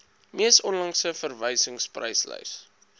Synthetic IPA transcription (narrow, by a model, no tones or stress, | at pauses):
miəsɔnlɐŋsəfərvəjsəŋsprə̰jslə̰js